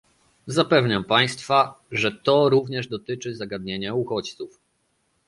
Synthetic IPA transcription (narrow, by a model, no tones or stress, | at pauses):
zapɛvɲampaj̃st̪fa | ʐɛt̪ɔɾuvɲɛʐd̪ɔt̪ɘt͡ʂɘzaɡad̪ɲeɲauxɔt͡ɕt̪suf